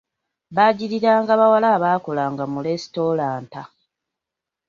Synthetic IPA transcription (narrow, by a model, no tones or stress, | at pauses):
βaɟiɾiɾaːŋɡaβawalaːβaːko̞laːŋɡamulesi̥to̞laːnta